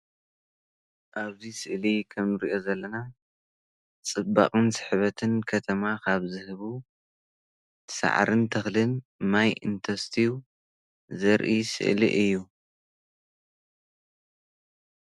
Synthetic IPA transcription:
ʔaβzisɨʔlikʰɐmɨɾḭʔo̞zɐlːɐna | t͡sʼɨba̰qʼɨnsɨ̥ħβɐt̪ʰɨnkʰɐt̪ʰɐmakʰaβzɨhɨβu | sa̰ʕɾʔɨnt̪ʰɐxlɨnmajɨ̰nt̪ʰɐst̪ʰiu | zɐɾʔisɨ̰ʔlḭʔɨjːu

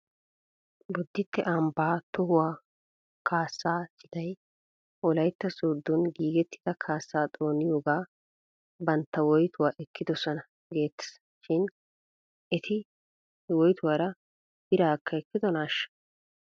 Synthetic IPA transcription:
bɔd̪ːɪt̪ːɛ̰ʔɐmbaːt̪ʊhʊwaː | kʰaːsːaːsɪt̪ɐj | ɔlɐjt̪ːɐsoːd̪ːɔnɡiːɡɛt̪ːɪ̥d̪̥ɐkʰaːsːaːt̪ʼo̞ːnɪjoːɡaː | bɐnt̪ːɐwɔjt̪ʊwaːʔɛkːɪd̪ɔsɔnɐ | ɡeːt̪ːɐ̥s | ʃɪn | ɛt̪ʰɪ | wɔjt̪ʊwaːɾɐ | b̥ɪɾaːkːɐɛkːɪd̪ɔnaːʃːɐ̥

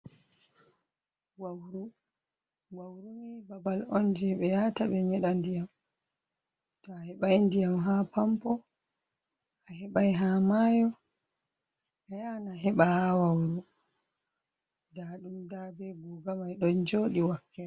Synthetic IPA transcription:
wawɾu | wawɾumibabalɔnd͡ʒɛɓɛjataɓɛɲɛɗandijam | tɔahɛɓajndijamɦapampɔ | ahɛɓajɦamaːjɔ | ajanaɦɛɓahawawɾu | daɗumdabɛbuɡamajɗɔnd͡ʒoːɗiwakːɛ

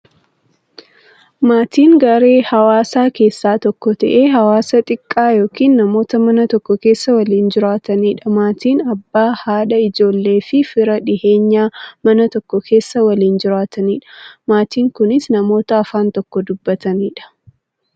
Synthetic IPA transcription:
maːt̪iːŋɡɐɾe̞ːhɐwaːsaːke̞ːsːaːt̪ɔkːɔt̪ɐʔe̞ːɦɐwaːsɐt̪ʼɪkʼːaːjo̞ːkiːnːɐmo̞ːt̪ɐmɐnɐt̪ɔkːɔke̞ːsːɐwɐliːnd͡ʒɪɾaːt̪ɐniːᶑɐmaːt̪iːnɐbːaːhaːᶑɐɪd͡ʒo̞ːlːe̞ːfɪfɪɾɐᶑɪhe̞ːɲːaːmɐnɐt̪ɔkːɔkʰe̞ːsːɐwɐliːnd͡ʒɪɾaːt̪ɐniːᶑɐ̥maːt̪iːŋkʊnɪsnɐmo̞ːt̪ɐːfaːnt̪ɔkːɔd̪ʊbːɐt̪ɐniːᶑɐ̥

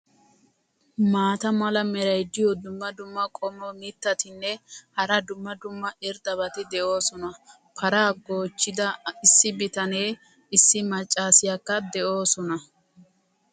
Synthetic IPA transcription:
maːt̪ɐmɐlɐmɛɾɐjd̪ːɪjɔd̪ʊmːɐd̪ʊmːɐkʼɔmɔmɪt̪ːɐt̪ɪnːɛhɐɾɐd̪ʊmːɐd̪ʊmːɐɪɾd̪ɐβɐt̪ɪd̪ɛʔo̞ːsɔnɐ | pʰɐɾaːɡo̞ːt͡ʃːɪd̪ɐɪsːɪbɪt̪ɐne̞ː | ɪsːɪmɐt͡ʃʼːaːsɪjakːɐd̪ɛʔo̞ːsɔnɐ

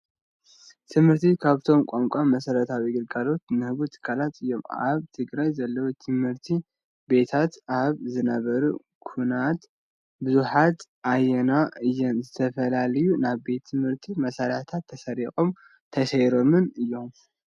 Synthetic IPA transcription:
t̪ʰɨmhɨɾt̪ʰikʰaβt̪ʰo̞mkʷʼomkʷʼamːɐsɐɾɐt̪ʰawiɡɨlɡalo̞t̪nɨhɨβut̪ʰɨ̥kʰːalat̪ɨjːo̞ma̰βt̪ʰɨɡɾajzɐlːɐwut̪ʰɨmhɨɾt̪ʰi | be̞t̪ʰat̪aβzɨnɐβɐɾu | kʰunat̪ | bɨzuħat̪ʔajɛnaɨjːɛnzɨt̪ʰɐfɐlalɐjunaβbe̞t̪ʰːɨmhɨɾt̪ʰimɐsɐɾat̪ʰat̪ʰːɐsɐɾixʼo̞m | t̪ʰɐsɐjɾo̞mɨnɨjːo̞m

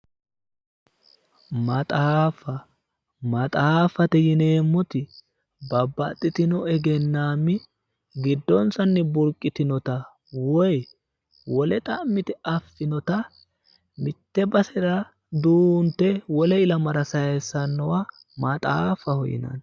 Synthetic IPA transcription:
mɐt̪ʼaːfːɐ | mɐt̪ʼaːfɐt̪ɛjɪne̞ːmːɔt̪ɪ | bɐbːɐt̪ʼːɪt̪ɪnɔɛɡɛnːaːmːɪ | ɡɪd̪ːɔnsɐnːɪbʊɾkʼːɪt̪ɪnɔt̪ɐ | wɔj | wɔlɛt̪ʼɐʔmɪt̪ɛɐfːɪnɔt̪ɐ | mɪt̪ːɛbɐsɛɾɐ | d̪uːnt̪ːɛwɔlɛɪlɐmɐɾɐsɐjɛsːɐnːɔwɐ | mɐt̪ʼaːfːɐhɔjɪ̰nɐ̰n

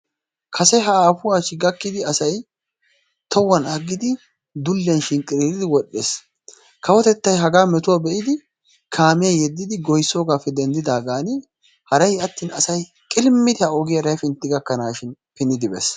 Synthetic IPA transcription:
kʰɐsɛɦɐaːfʊwaːt͡ʃːɪɡɐkːɪd̪ɪɐsɐj | t̪ʰɔwːɐnɐɡːɪd̪ɪ | d̪ʊlːɛnʃɪnkʼɪɾiɾɪd̪ɪwɔɗːḛːs | kʰɐwɔt̪ɛt̪ːɐjɦɐɡaːmɛt̪ʊwabɛʔɪd̪ɪ | kʰaːmɪjajɛd̪ːɪd̪ɪɡɔjsoːɡaːfɛd̪ɛnd̪ɪd̪aːɡaːnɪ | hɐɾɐjɐt̪ːiːnɐsɐj | kʼɪlmːɪd̪ɪhɐɔɡɪjɐɾɐjfɪnt̪ːɪɡɐkːɐnaːʃɪnpɪnːɪd̪ɪbes

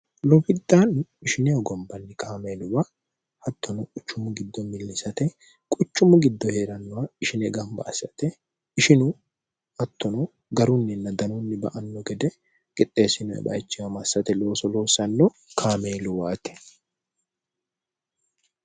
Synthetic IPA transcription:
lɔfɪd̪ːaːnɪʃɪnɪjɐɡɔmbɐnːɪkʰaːmeːlʊwa | hɐt̪ːɔnɔkʼʊt͡ʃːʊmːʊɡɪd̪ːɔmɪlːɪsɐt̪ɛ | kʼʊt͡ʃːʊmʊɡɪd̪ːɔhe̞ːɾɐnːʊwɐɪʃɪnɛɡɐmbɐ̰ɐsːɐt̪ɛ | ɪʃɪnʊ | ɐt̪ːɔnɔ | ɡɐɾʊnːɪnːɐd̪ɐnʊnːɪbɐ̰ʔɐnːɔɡɛd̪ɛ | kʼɪt̪ʼːe̞ːsɪnɔɛ̰bɐ̰jt͡ʃːɪwɐmɐsːɐt̪ɛlo̞ːsɔlo̞ːsɐnːɔ | kʰaːme̞ːlʊwaːt̪ɛ̥

